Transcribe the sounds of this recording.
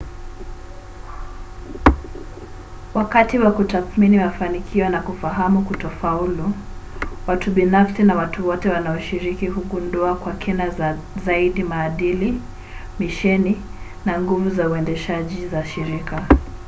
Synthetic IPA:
wakatiwakutaθminimafanikʰiɔnakufaɦamukutɔfaulu | watuɓinafsinawatuwɔtɛwanaɔʃiɾikihuɠunduakwakʰɛnazaiɗimaːɗili | miʃɛni | naŋɡuvuzauɛndɛʃaʄizaʃiɾika

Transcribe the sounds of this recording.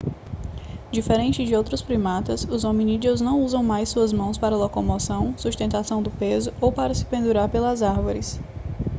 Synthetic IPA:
d͡ʒifeɾẽnt͡ʃɪd͡ʒɪowt̪ɾʊspɾimat̪ɐsʊzomĩnid͡ʒioznɐ̃w̃uzɐ̃w̃majsːuɐzmɐ̃w̃spaɾɐlokomosɐ̃w̃suʃt̪ẽnt̪asɐ̃w̃d̪ʊpezʊowpaɾɐsɪ̥pẽnd̪uɾaɾpelɐzaɾvoɾɪs

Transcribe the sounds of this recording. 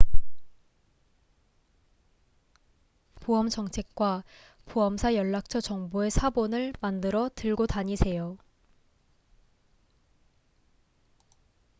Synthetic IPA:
puʌmt͡ɕʌŋt͡ɕʰe̞k̚k͈wa | puʌmsʰajʌɭːak̚t͡ɕʰʌt͡ɕʌŋbue̞sʰabonɯɭmandɯɾʌtɯɭɡotaɲisʰe̞jo

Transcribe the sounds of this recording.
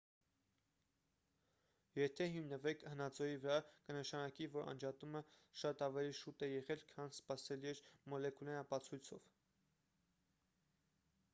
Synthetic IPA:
jɛt̪ʰɛɦimnəvɛkʰhənɑt͡sɔjivəɾɑkənəʃɑnɑkivɔɾɑ̰nd͡ʒɑt̪uməʃɑt̪ɑvɛliʃut̪ɛjɛʁɛlkʰɑnspɑsɛliɛɾmɔlɛkulɛnɑpɑt͡sʰujt͡sʰɔ̰v̥

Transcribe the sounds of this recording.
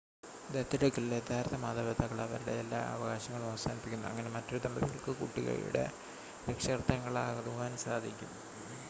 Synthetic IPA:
d̪et̪ːiɽɐkːiled̪ʱaːɾt̪ʰːɐmaːd̪ɐbɐt̪ːɐɣɐɭɐʋɐ̰ɾuɽe̞̰elːa̰ːɐ̰ʋɐɣaːɕɐŋːɐɭuɐʋɐsaːnipːikʲːunːuɐ̰ŋːɐne̞mɐtːo̞ɾud̪ɐmbɐðiɣɐɭkɨkuʈːiɣɐ̰ɻṵɽe̞̰ | ɾekʂɐɣrt̪ːɐŋːɐɭaɣɐðuʋaːnsaːd̪ʱikʲːum

